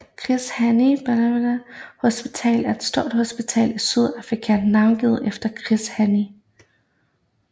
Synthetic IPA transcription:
kʰʁishænib̥æn | hosb̥it͡sʰɛ̰ːlæɐe̝d̥sd̥o̝ɐ̰d̥ho̝sb̥it͡sʰɛ̰ːlisyð̞ˠɑfʁikʰɛnnːɑ̈ʊnɡ̥ið̩ˠʔefd̥ɐkʰʁishæni

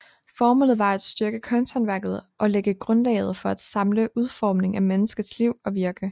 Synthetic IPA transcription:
fɒːmolð̩ˠʋɑ̈æd̥sd̥yɐɡ̥əkʰɒ̽nt͡sʰænʋæɐ̰ɡ̥ð̩ˠʔɒ̽leɡ̥əɡ̥ʁɔ̽nlɛ̰ɪð̞̩ˠfɒ̽æd̥sɑ̈mləʔuð̞ˠfɒ̰ːmne̝ŋæmenəsɡ̥ð̩ˠsliʊ̰ɒ̽ʋiɐɡ̥ə

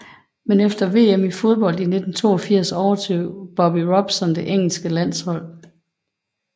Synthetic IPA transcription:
menefd̥ɐʋe̝̰ːemifo̝ð̞ˠb̥ɒ̽l̰d̥ine̝d̥n̩t͡sʰo̝̰ːɒfiɐ̰sɒʊɐt͡sʰøʊ̰b̥ɒb̥iʁɒ̽b̥sɒ̽nd̥e̝ʔeŋ̰l̩sɡ̥əlæn̰shɒ̽l̰

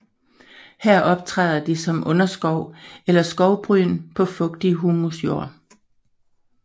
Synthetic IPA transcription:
hæɐ̰ʔɒ̽b̥̚t͡sʰʁɛ̰ːðˠɐd̥isɒ̽mʔɔ̽nɐsɡ̥ɒʊelɐsɡ̥ɒʊb̥ʁyːnpʰɒ̽fɔ̽ɡ̥̚d̥iɦuːmusjo̝̰ɐ̰

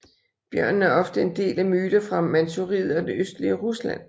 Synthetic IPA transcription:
b̥jɶɐ̰nn̩æɐɒ̽fd̥əe̝nd̥e̝̰ːlæmyːɾ̥ɐfʁɑ̈mænt͡sʰuʁið̞̰ˠɒ̽d̥e̝øsd̥əliəʁuslæ̰n̰

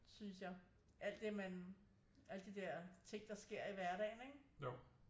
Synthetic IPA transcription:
synsjɑ̈ɪ | ʔæl̰d̥e̝mæn | ʔæl̰d̥id̥ɛɐ̰t͡sʰe̝ŋ̰d̥ɑ̈sɡ̥e̝ɐ̰iʋæɐɾ̥ɛ̰ɪneɡ̥

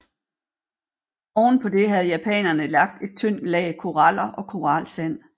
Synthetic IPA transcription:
ɒ̰ːn̩pʰɒ̽d̥e̝ɦæð̞ˠjæpʰɛ̰ːnɐnəlɑ̈ɡ̥̚d̥e̝d̥̚t͡sʰøn̰lɛːkʰo̝ʁɑl̰ɐʔɒ̽kʰo̝ʁɑ̈lsæn̰

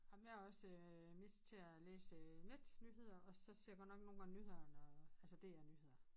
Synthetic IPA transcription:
ɑmjæɒ̽sø | me̝sd̥t͡sʰe̝æleːsəned̥nyːhe̝ð̰ˠɐʔɒ̽sɒ̽seɐjɡɒ̽d̥nɒ̽ɡ̥no̝ːnɡ̥ɑ̈ŋnyːhe̝ð̰ˠɐnɒælsəd̥e̝ænyːhe̝ð̰ˠɐ

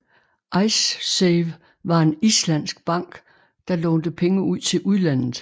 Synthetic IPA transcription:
ʔɑ̈ɪsseʋ | ʋɑ̈e̝nislæn̰sɡ̥b̥ɑ̈ŋ̰ɡ̥ | d̥ɑ̈lɔ̽ːnd̥əpʰeŋəuð̞̰ˠt͡sʰe̝lʔuðˠlæn̰ð̩ˠ

